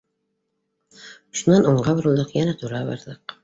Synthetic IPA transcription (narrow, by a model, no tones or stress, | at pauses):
ʃunːɑnoɴɢɑbɪɾulˠd̪ɤqjænæt̪ʰuɾɑbɑ̰ɾd̪ɤq